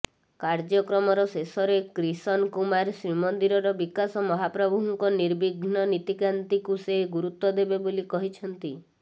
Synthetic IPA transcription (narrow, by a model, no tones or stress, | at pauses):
kaɾd͡ʒɔkɾɔmɔɾɔsesɔɾekɾisɔnkumaɾsɾimɔnd̪iɾɔɾɔbikasɔmɔɦapɾɔbʱuɦuŋkɔniɾbiɡʱnɔnit̪ikant̪ikuseɦɡuɾut̪wɔd̪ebebolikɔɦit͡ʃʰɔnt̪i